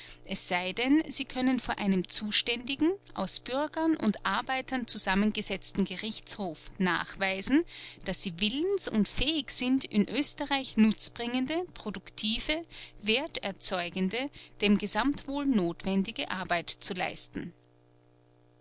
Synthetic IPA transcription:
ʔɛsz̥aɪdɛnziːkʰœnənfoːɐʔaɪnəmt͡suːʃtɛndɪɡŋ̩ʔa̰ʊsb̥ʏɐɡɐnʔʊ̰ntʔaɐbaɪtɐnt͡suzamənɡəzɛt͡stn̩ɡəʁɪçt͡shoːfna̰ːχv̥aɪzn̩d̥asz̥iːvɪlənsʊ̰ntfɛːɪçz̥ɪntɪ̰nʔøːstəʁaɪçnʊt͡sb̥ʁɪŋəndəpʁ̥odʊktʰiːvəveːɐtɛɐt͡sɔʏɡən̩dəd̥eːmɡəzamtv̥oːlnoːtv̥ɛndɪɡəʔaɐbaɪtt͡sula̰ɪstn̩

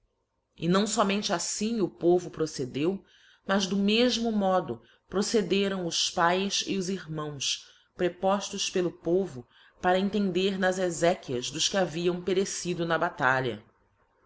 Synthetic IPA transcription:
ɪnɐ̃w̃sɔmẽnt͡ʃɪasĩʊpovʊpɾosed̪ew | mɐzd̪ʊmeʒmʊmɔd̪ʊ | pɾosed̪eɾɐ̃w̃ʊspajsɪʊziɾmɐ̃w̃s | pɾepɔʃt̪ʊʃpelˠʊpovʊ | paɾɐẽnt̪ẽnd̪eɾnɐzezɛkiɐzd̪ʊskɪaviɐ̃w̃peɾesid̪ʊnɐbat̪aʎɐ̰

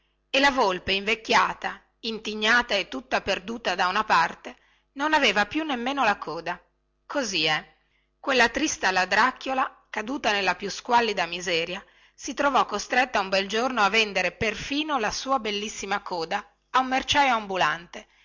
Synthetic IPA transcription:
elavolpeiɱvekːjaːt̪a | int̪iɲːaːt̪aet̪ːut̪ːaperd̪uːt̪ad̪aunapart̪e | nonaveːvapjunːemːeːnolakɔːd̪a | kʰoziɛ | kwelːat̪ɾist̪alad̪ɾakːjola | kad̪uːt̪anelːapjuskwalːid̪amizɛːɾja | sit̪ɾovɔkːost̪ɾet̪ːaumbɛld͡ʒornoavːend̪eɾeperfiːnolasuːabelːisːimakɔːd̪aː | umːert͡ʃajoambulant̪e

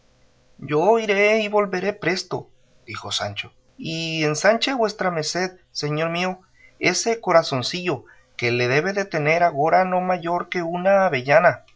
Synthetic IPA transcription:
ɟ͡ʝoiɾeiβolβeɾe̞pɾest̪o̰ | d̪̥ixosa̰nt͡ʃo̥ | iensant͡ʃeβwest̪ɾameseð | seɲo̞ɾmio | eseko̞ɾasonsiʝo | keleðeβeðet̪eneɾaɣoɾano̞maʝoɾkeunaβeʝana

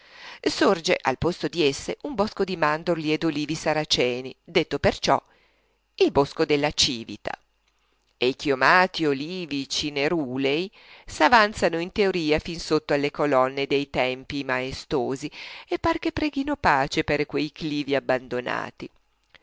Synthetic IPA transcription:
sord͡ʒeʔa̰lpost̪od̪iesːeʔumbɔskod̪imand̪orlied̪oliːvisaɾat͡ʃɛːnid̪et̪ːopert͡ʃɔ̰ | ilboskod̪elːat͡ʃiːvḭt̪a̰ | ejkiomaːt̪ioliːvit͡ʃineɾuːlej | savant̪sanoint̪eoɾiːafinsot̪ːoalːekolɔnːed̪ejt̪ɛmpimaest̪oːziepːark̟epːɾɛːɡinopaːt͡ʃeperkwejkliːviabːand̪ona̰ːt̪i

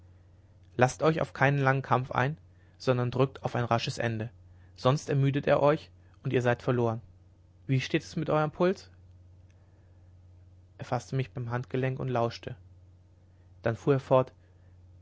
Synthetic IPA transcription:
lastɔʏça̰ʊfkʰaɪnənlaŋənkʰamfʔa̰ɪn | z̥ɔndɐndʁʏk̚tʰaʊfaɪnʁaʃəsʔɛ̰ndə | z̥ɔnstɛɐmyːdətḛːɐʔɔʏç | ʔʊntiːɐzaɪtfɛɐloːʁən | viːʃteːtɛsmɪtʔɔʏʁɐmpʰʊlt͡s | ʔeɐfastəmɪçb̥aɪmɦantɡ̥əlɛŋkʊntlaʊʃtʰə | d̥anfuːɐeːɐfɔɐt

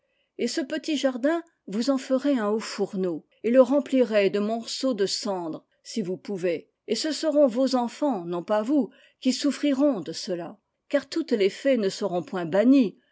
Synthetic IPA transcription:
esəpət̪iʒaʁd̪ɛ̃ | vuzɑ̃fəʁeɛ̃ofuʁno | eləʁɑ̃pliʁɛd̪əmɔʁsod̪əsɑ̃d̪ʁ | sivupuve | esəsəʁɔ̃vozɑ̃fɑ̃nɔ̃pavu | kʲisufχiʁɔ̃d̪əsəla | kaʁt̪ut̪lefɛnəsəʁɔ̃pwɛ̃baɲi

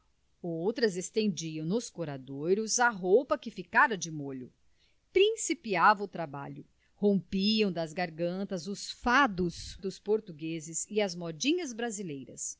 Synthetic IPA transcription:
owt̪ɾɐzest̪ẽnd͡ʒiɐ̃w̃nʊskoɾad̪ojɾʊzɐɦowpɐkɪfikaɾɐd͡ʒɪmoʎʊ | pɾĩsipiavɐʊt̪ɾaba̰ʎʊ | hõpiɐ̃w̃d̪ɐzɡaɾɡɐ̃nt̪ɐzʊsfad̪ʊsd̪ʊspoɾt̪uɡezɪzɪɐzmɔd͡ʒĩɲɐzbɾazilejɾɐs

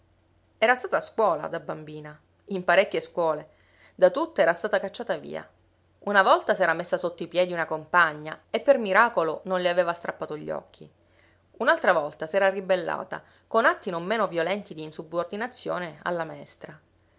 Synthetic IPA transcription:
ɛːɾast̪aːt̪askwɔːla̰d̪abambiːna | impaɾekːeskwɔːle | d̪at̪ut̪ːoɛːɾast̪aːt̪akat͡ʃːaːt̪avḭːa̰ | unavɔlt̪asɛːɾamesːasot̪ːoipjɛːd̪iunakompaɲːaepːermiɾaːkolononleaveːvast̪ɾapːaːt̪oʎːɔ̰kʰːḭ | unalt̪ɾavɔlt̪asɛːɾaribelːa̰ːt̪a̰ | konat̪ːinomːeːnovjolɛnt̪id̪iːnsubord̪inat̪sːjo̰ːnea̰lːamaɛst̪ɾa

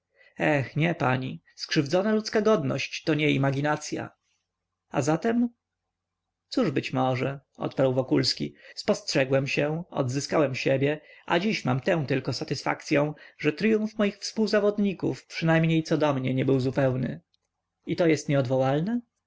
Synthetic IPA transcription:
ɛxɲɛpaɲi | skʂɘvd̪zɔnalut̪skaɡɔd̪nɔ̰ɕt͡ɕt̪ɔɲɛimaɡʲinat̪sʲja̰ | azat̪ɛm | suʐbɘt͡ɕmɔʐɛʔɔ̰t̪paɾwvɔkulskʲḭspɔstʂɛɡwɛmɕɛɔ̰d̪zɘskawɛmɕebʲjɛʔa̰d͡ʑiɕma̰mt̪ɛ̃w̃t̪ɘlkɔsat̪ɘsfa̰k̚t̪sʲjɔ̃w̃ʐɛt̪ɾɘjũɱfmɔjixfspuwzavɔd̪ɲikṵfpʂɨnajmɲejt̪sɔd̪ɔmɲɛɲɛbɘwzupɛwnɘ̰ | it̪ɔjɛst̪ɲɛɔd̪vɔwalnɛ

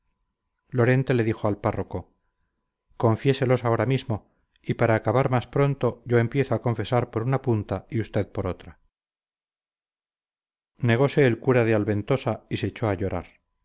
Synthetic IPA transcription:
lo̞ɾe̞nt̪e̞le̞ðixoalparo̞ko̞ | ko̞ɱfje̞se̞lo̞sao̞ɾamizmo̞ | ipaɾaːkaβaɾmaspɾo̞nt̪o̞ʝo̞e̞mpje̞θoako̞ɱfe̞saɾpo̞ɾunapunt̪aiust̪e̞ðpo̞ɾo̞t̪ɾa | ne̞ɣ̞o̞se̞ːlkuɾaðealβe̞nt̪o̞saiseːt͡ʃo̞aʝo̞ɾa̰ɾ

